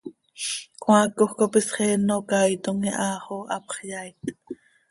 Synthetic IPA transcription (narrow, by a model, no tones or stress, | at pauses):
kwɑːkːoχkopisχɛːnokɑjt̪oŋiʔɑːχoʔɑpχjajt̪